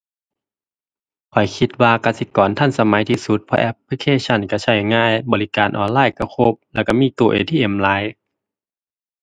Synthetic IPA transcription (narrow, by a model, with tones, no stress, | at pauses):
kʰɔ˨˩jkʰi˧t̪̚waː˧ka˧˩si˧˦kɔː˨˦nt̪ʰa˧˥˨nsa˧ma˨˦jt̪ʰiː˧su˧t̪̚pʰɔ̰˧ʔɛ˧p̚ʰːli˧kʰeː˧˨sʰa˧˩˨nka˧˩sʰa˧˩jŋaː˧˥˨jbɔː˨li˦˧kaː˨˦nʔɔː˨nlaː˧˥˨jka˧˩kʰo˧p̚lɛː˧˩wka˧˩miː˧˥˨t̪u˧˩əʔeː˨t̪ʰiː˧˨ʔe˨˩mlaː˨˦j